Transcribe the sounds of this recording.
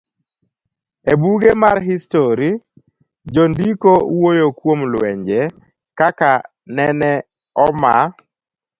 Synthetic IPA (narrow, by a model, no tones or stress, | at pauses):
ebuɡemarɦistoɾi | d͡ʒondikowojokwomlwɛɲd͡ʒɛ | kaka | nɛnɛ | ɔma